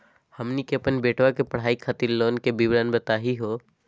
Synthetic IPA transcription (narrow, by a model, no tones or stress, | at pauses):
hɐmnikeəpənbeːʈʰwakepɐɽ̤aːikʰat̪iɾloːnkebibɾaːnbət̪aːɦiɦoː